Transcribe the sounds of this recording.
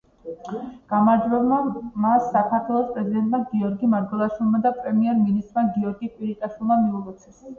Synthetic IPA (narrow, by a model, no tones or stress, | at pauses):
ɡ̥amaɾd͡ʒwɛlˠmamasːakʰaɾt̪ʰwɛlˠɔspʼɾɛzid̪ɛnt̪ʼmaɡiɔɾɡimaɾɡwɛlˠaʃulˠmad̪apʼɾɛmiɛɾminist̪ʼɾmaɡiɔɾɡikʼwiɾit̪ʼaʃilˠmamiulˠɔt̪sʰɛ̥s